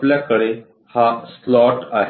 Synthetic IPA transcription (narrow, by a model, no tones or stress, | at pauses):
ljakəɽe | haslɔʈaɦ